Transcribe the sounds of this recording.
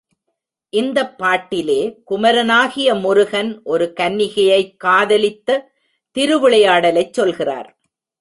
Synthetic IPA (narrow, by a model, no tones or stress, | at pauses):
ʔɪnd̪ɐpːaːʈːɪleːkʊmɐɾɐnaːɣɪjɐmʊɾʊɣɐnʔɔɾɯkɐnːɪɣɐjɐɪkːaːðɐlɪt̪ːɐ | t̪ɪɾɯʋɯɭɐjaːɽɐlɐɪt͡ʃsɔlɣɪra̰ːɾ